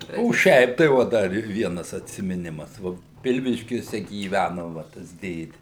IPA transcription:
oː ˈʃʲɛɪp tɐɪ ˈʋoː ˈdɐr ɪ ˈʋʲiɛnɐs ɐtʲsʲɪmʲɪˈnʲɪmɐs ˈʋoː ˈpʲɪlʲʋʲɪʃʲkʲuɔsʲɛ ɡʲiːˈʋʲænoː ʋɐ ˈtɐs ˈdʲeːdʲɪ

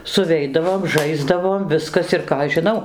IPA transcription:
sʊˈʋʲɛɪdɐʋoːm ˈʒɐɪzdɐʋoːm ˈʋʲɪskɐs ɪr ˈkɑː ɐʃ ʒʲɪˈnɐʊ

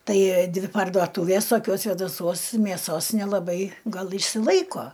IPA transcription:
ˈtɐɪ ˈdʲʋʲɪ pɐrduɔˈtuːʋʲeːs toːˈkʲoːs sʲʋʲeːdɐˈsuɔs mʲeːˈsoːs nʲɛlˠɐˈbɐɪ ˈɡɐlˠ ɪʃʲsʲɪˈlˠɐɪkoː

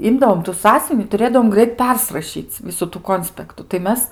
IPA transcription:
ˈɪmdɐʋoːm tʊ ˈsɑːsʲʊʋʲɪnʲɪ tʊˈrʲeːdɐʋoːm ˈɡrɐɪt ˈpʲɛrsrɐʃʲiːt͡sʲ ˈʋʲɪsʊ tuː ˈkoːnʲsʲpʲɛktʊ tɐɪ ˈmʲɛs

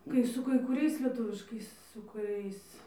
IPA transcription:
ˈkɐɪ sʊ kɐɪ kʊˈrʲɛɪs lʲiɛˈtʊʋʲɪʃkɐɪs sʊ kʊˈrʲɛɪs

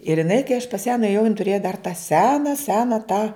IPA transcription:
ɪr jɪˈnɐɪ kɐɪ ɐʃ pɐs jæː nʊeːˈjɛʊ jɪn tʊˈrʲeːjɛ dɐr tɑː ˈsʲæːnɐ ˈsʲæːnɐ tɑː

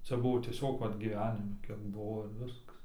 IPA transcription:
ˈt͡sʲɛ ˈbʊʋoː tʲiɛˈsʲoːk ˈʋɐt ɡʲiːˈʋʲæːnʲɪmʲɪ ˈkʲiɛk ˈbuɔ ɪr ˈʋʲɪskɐs

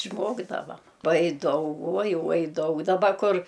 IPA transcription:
ɪʃˈmoːɡdɐʋɐm ˈuɔj ˈdɐʊk ˈuɔj ˈuɔj ˈdɐʊk dɐˈbɐ ˈkʊr

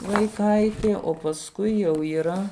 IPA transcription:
ʋɐɪˈkɐɪtʲeː oː pɐsˈkʊɪ jɛʊ iːˈrɐ

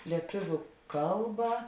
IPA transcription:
lʲiɛˈtʊʋʲʊ ˈkɐlˠbɐ

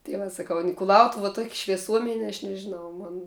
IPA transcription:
tɐɪ ˈʋɐ sɐˈkɐʊ n kʊˈlˠɐʊtʊw tuɔkʲ ʃʲʋʲiɛˈsuɔmʲɛnʲ ɐʃ nʲɛʒʲɪˈnɐʊ ˈmoːn

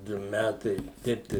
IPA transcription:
ˈdʊ ˈmʲætɐɪ ˈtʲɛɪp tɐɪ

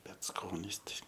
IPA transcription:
ˈbʲɛt ˈskoːnʲɪs ˈtɐɪ

